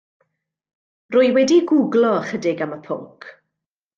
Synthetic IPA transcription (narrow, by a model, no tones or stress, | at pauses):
rʊːɨwɛdiɡʊɡlˠɔχədɪɡaməpʰʊ̰lkʰ